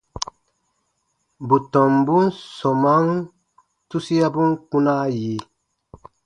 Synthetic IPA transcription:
bu˨tɔ˨mbu˦nsɔ˨ma˦ŋ | tu˦si˦a˦bu˦ŋku˦na˦ji˨˦

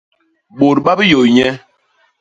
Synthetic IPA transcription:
ɓo˨ɾɓa˦bi˦jo˨ɲɛ˦

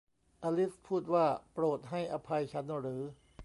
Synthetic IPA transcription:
ʔaː˧li˦˥fpʰːuː˥˩t̪̚waː˥˩pɾoː˨˩t̪̚ɦa˥˩jʔa˧pʰa˧jt͡ɕʰa˦˥nɾɯː˩˦

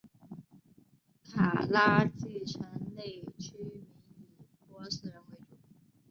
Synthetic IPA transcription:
kʰa̰˨˩la˥t͡ɕi˥˩ʈ͡ʂʰə˧˥ŋne˥˩ɪt͡ɕʰy˥mi˧˥ni˨˩pwɔ˧˥sɹ̩˨˥ɻə˧˥nwe˧˥ɪʈ͡ʂu˥˩˦

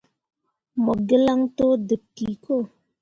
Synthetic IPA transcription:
mə˨ɡə˦la˦ŋto˦də˨p̚ki˨ko˦˨

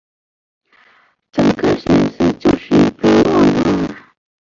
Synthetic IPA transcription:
ʈ͡ʂə˨˩ŋkə˥˧ɕɥɛ˧˥nsɹ̩˥˩t͡ɕjo˥˧ʊʂɻ̩˥˩˥pe˥lwɑ˥˩ŋd̪ə˧˩ə˥˩

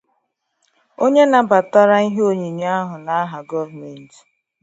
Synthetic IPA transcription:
o˦ɲe˦na˨ba˨ta˦ɾa˦i˦ɦo˨ɲi˨ɲ˦a˦ɦʊ˨na˨a˦ɦa˨ɡɔ˦vme˨n̩˨ti̥˨

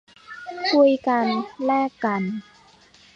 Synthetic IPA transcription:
kʰu˧˩əjka˧nlɛː˥˩kːa˧n

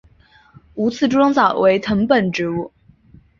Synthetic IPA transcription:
u˧˥t͡sʰɹ̩˥˩ʈ͡ʂu˥ʈ͡ʂwɑ˥ŋt͡sɑ˨˩ʊwe˧˥ɪt̪ʰɤ˧˥ŋpə˨˩nʈ͡ʂɻ̩˧˥u˥˩

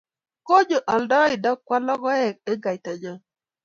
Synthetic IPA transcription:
ko˦d͡ʒo˨ʔɔ˨ldɔ˦i˨dɔ˦kwa˦lɔ˦kɔ˦ɛ˨k̚e˦ɡa˨jta˨d͡ʒɔ˦

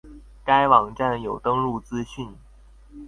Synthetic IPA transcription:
ka˥ɪwɑ˨˩ŋʈ͡ʂa˥˩njo˨˩ʊt̪ɤ˥ŋɻu˥˩t͡sɹ̩˥ɕy˥˩n

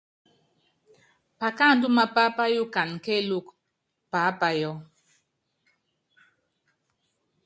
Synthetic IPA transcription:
pa˨ka˦˨n˦du˦ma˦pa˦pa˦ju˦ka˨n˨ke˦˨lu˦˨k | pa˨˦pa˦jɔ˦

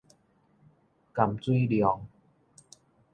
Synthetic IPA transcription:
ka˨˩mt͡swi˥˧˨djɔ˨˦ŋ

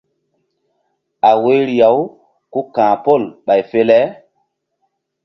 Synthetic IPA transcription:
a˨we˦ɾi˨ja˨˦w | ku˦kãː˨po˦˨lɓa˨jfe˦lɛ˦

